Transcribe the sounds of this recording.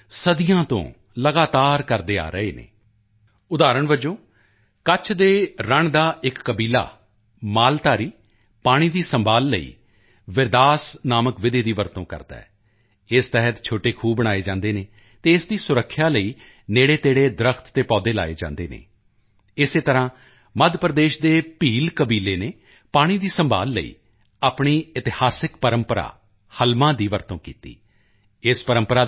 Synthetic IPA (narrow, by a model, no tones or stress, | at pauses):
səd̪ijãːt̪õ̰ː | ləɡaːt̪aːɾkəɾd̪eːa̰ːɾəeːnḛː | ʊd̪aːɾəɳʋəd͡ʒõː | kət͡ʃʰd̪eːɾəɳd̪aːʔɪkːəbiːla̰ː | maːlt̪aːɾiː | paːɽ̃iːd̪iːsəmbʱaːlːəḭː | ʋɪɾd̪aːsnaːməkʋɪd̪eːd̪iːʋəɾt̪õːkə̰ɾd̪a̰ːɛ | ɪst̪ɛɦət̪t͡ʃʰoːʈeːkʰuːbbəɽ̃aːeːd͡ʒãːnd̪eːneː | t̪eːɪsd̪iːsʊɾəkʰːjaːləiː | neːɽeːt̪eːɽeːd̪ɾəkʰt̪t̪eːpɔːd̪eːla̰ːḛːd͡ʒã̰ːnd̪eːnḛː | ɪseːt̪əɾãː | məd̪pəɾəd̪eːʃd̪eːpiːlkəbiːleːneː | paːɽ̃iːd̪iːsəmbʱa̰ːlːə̰ḭː | aːpɳiːɪt̪ɪhaːsɪkpəɾəmpəɾa̰ː | həlmãːd̪iːʋəɾt̪õːkiːt̪ḭː | ɪspəɾəmpəɾaː